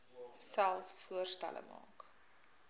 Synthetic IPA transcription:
sælˠfsfuərstæ̰lʔə̰mɑ̰ːk

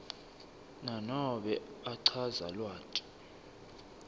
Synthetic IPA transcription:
nanɔɓɛaǀʰaza̰lwaːtʼi̥

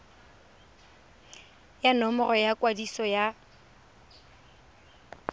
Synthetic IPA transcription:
janɔmɔrɔjakʼwadisɔja

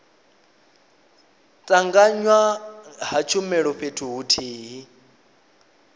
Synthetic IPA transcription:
tʼaŋɡaɲwaɦat͡ʃʰumɛɺɔɸetʰuɦutʰeːɦi

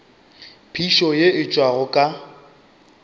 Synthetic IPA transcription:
pʰiʃɔjeɪt͡ʃʼwaɣʊkʼa

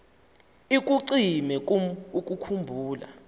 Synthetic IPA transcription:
ik̬ʼuǀimɛk̬ʼumuk̬ʼukʰumbʱuːla̰

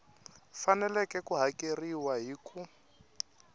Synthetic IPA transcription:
fanɛlɛkɛkuɦakʼeriwaɦiku

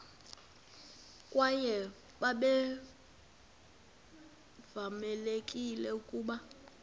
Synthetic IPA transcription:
kʼwajɛ | ɓaɓɛ | vamɛlekʼilɛukʼuːɓa

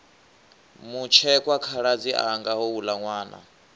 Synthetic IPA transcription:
mut͡ʃʰɛkʼwakʰaɺad͡ziʔa̰ŋɡaɦɔwulaŋwaːna̰

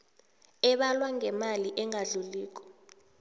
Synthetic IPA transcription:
ɛɓalwaŋɛmaliʔɛŋaɮuliːk̬ʼɔ̥

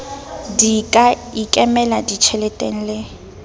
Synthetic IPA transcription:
dikʼaikʼɛmɛladit͡ʃʰɛlɛtʼeŋ̩lɪ

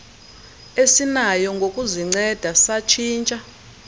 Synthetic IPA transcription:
esinajɔŋɡʱokʼuziŋ͡ǀɛd̥ʱasat͡ʃʰiːnt͡ʃʼa

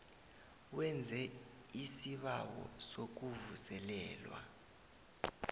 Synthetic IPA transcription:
wɛnd͡zʱɛ | isiɓawɔ̰sok̬uvusɛlɛːlwa̰

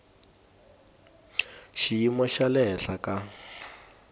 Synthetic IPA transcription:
ʃijimɔʃalɛɬakʼa

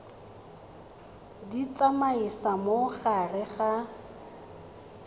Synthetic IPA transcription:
dit͡sʼamaisamoχarɪχa

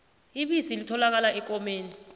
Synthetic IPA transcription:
iɓisilitʰɔlak̬alaʔɛk̬ʼɔmeːni

